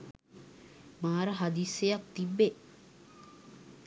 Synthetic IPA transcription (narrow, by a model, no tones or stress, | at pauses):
maːɾəɦad̪iːsejak̚t̪ibːe